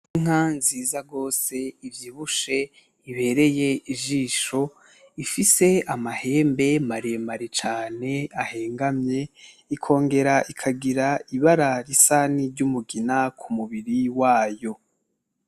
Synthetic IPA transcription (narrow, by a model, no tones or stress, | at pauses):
iŋ̥anziːzaɡo̞ːse̞ivjiːβuʃe̞ | iβe̞ːɾe̞je̞iʒiːʃo̞ | ifise̞amahe̞ːmbe̞maɾemaɾit͡ʃaːne̞ahe̞ːŋɡamɲe̞ | ikʰo̞ːŋɡe̞ɾaʔikʰaɡiɾaiβaɾaɾisaniɾɟumuɡinakʰumuβiɾiwaːjo̞